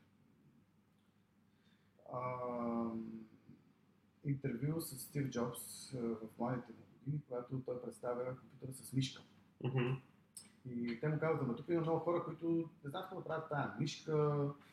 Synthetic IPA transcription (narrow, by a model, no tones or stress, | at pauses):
ə | int̪ɛɾvjusəsːt̪ifd͡ʒɔpsvɐfmad̪it̪ɛmuɡod̪inikoɡat̪ot̪ɔjpɾɛt̪st̪avʲəkompjut̪əɾəsəsmiʃkə | m̩ɦ̩ | it̪ɛmukazvət̪əmɐt̪ukimɐmnɔɡʊxɔɾəkoit̪ʊnɛzamt̪kɔd̪pɾavət̪ːajəmiʃkə